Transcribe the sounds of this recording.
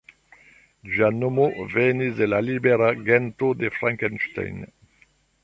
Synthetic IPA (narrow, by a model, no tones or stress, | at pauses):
d͡ʒanomovɛnizd̪elalibeɾaɡɛnt̪od̪efɾaŋkɛnʃt̪a̰jn